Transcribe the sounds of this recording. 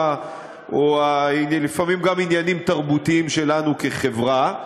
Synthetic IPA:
ʔoailifamimɡaminjanimt̪aʁbut̪iimʃe̞lanukeχe̞vʁa

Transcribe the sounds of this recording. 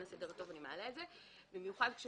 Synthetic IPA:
nasedeʁt̪o̞vanimealeːze | bimjuχadkʃe

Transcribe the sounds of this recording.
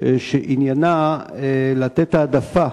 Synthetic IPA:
ʃeʔinjanaelat̪et̪aːd̪afa

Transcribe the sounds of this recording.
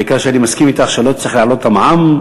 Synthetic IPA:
ikaʃeanimaskimit̪aχʃelot͡sʁiχlaʕlo̞t̪amʕam

